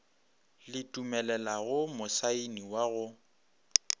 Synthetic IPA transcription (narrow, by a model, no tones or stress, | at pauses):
lɪtʼumɛlɛlaɣʊmʊsainiwaɣʊ